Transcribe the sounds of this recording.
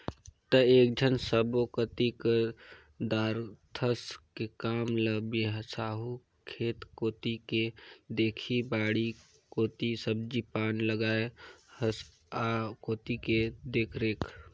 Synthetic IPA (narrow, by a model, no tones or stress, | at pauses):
t̪əeːk̚d͡ʒʱənsəbokət̪ikə | d̪aːɾt̪ʰəskekaːmləbeɦəsaːɦu | kʰeːt̪koːt̪iked̪eːkʰibaːɽi | koːt̪isəb̚d͡ʒipaːnləɡaːehəs | akoːt̪iked̪eːkʰɾeːkʰ